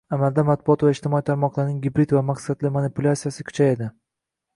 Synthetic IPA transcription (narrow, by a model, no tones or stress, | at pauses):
amalˠd̪amat̪̚bʊɒt̪vaɪʃt̪ɪmɒit̪ʰaɾmɒqlˠaɾnɪŋɡʲɪbɾɪd̪vamaqsad̪lɪmanɪpʊlʲˠat̪sijasɪkʰʲʊ̥t͡ʃʰajed̪ɪ